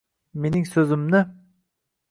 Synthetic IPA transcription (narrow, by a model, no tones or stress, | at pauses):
meniŋsøzɪmnɪ